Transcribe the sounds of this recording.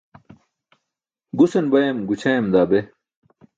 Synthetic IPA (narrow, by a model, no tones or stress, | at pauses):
ɡusɐnbɐjɐmɡut͡ɕʰajɐmd̪aːbe